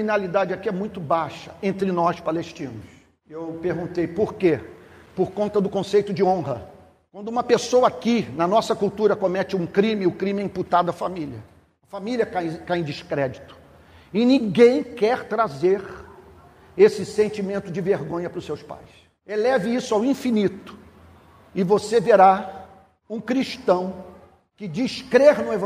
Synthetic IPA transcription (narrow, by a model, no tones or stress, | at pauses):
inalid̪ad͡ʒɪakiɛmũj̃t̪ʊbaʃɐ̥ẽnt̪ɾɪnɔspaleʃt͡ʃĩnʊs | ewpeɾɡũt̪ejpoɾkepoɾkõnt̪ɐd̪ʊkõsejt̪ʊd͡ʒɪõɦɐ | kwɐ̃nd̪ʊũmɐpesowɐakinɐnɔsɐkuwt̪uɾɐkomɛt͡ʃɪũkɾĩmɪʊkɾĩmɪɛĩput̪ad̪ʊɐfamiliɐ | ɐfamiliɐkajkajẽd͡ʒɪʃkɾɛd͡ʒit̪ʊ̥ | ɪnĩɡẽj̃kɛɾt̪ɾazeɾ | esɪsẽnt͡ʃimẽnt̪ʊd͡ʒɪveɾɡõɲɐpɾʊsewspa̰js | elɛvɪisʊawĩfinit̪ʊ̥ | ɪvoseveɾa | ũkɾiʃt̪ɐ̃w̃ | kɪd͡ʒiʃkɾeɾnʊevɐ̃